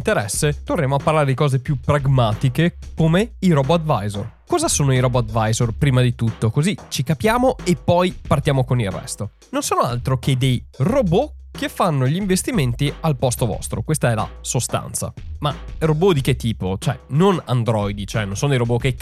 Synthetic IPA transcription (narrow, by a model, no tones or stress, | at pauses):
nt̪eɾɛsːet̪orreːmoapːarlaːɾed̪ikɔːzepjupɾaɡmaːt̪ikekomeiɾobɔad̪va̰jzo̰r | kɔːzasoːnoiɾobɔad̪vajzorpɾiːmad̪it̪ut̪ːokozit͡ʃikapjaːmoepːɔjpart̪jaːmokonilrːɛ̰st̪o | nonsoːnoa̰lt̪ɾoked̪ejrobo | kefːanːoʎiɱvest̪iment̪ialpɔst̪ovɔ̰st̪ɾo̰kwest̪aɛla̰sost̪a̰nt̪sa̰marobod̪iket̪ːiːpot͡ʃoɛ̰nonand̪ɾɔjd̪it͡ʃoɛnõnsoːnod̪ejɾoboke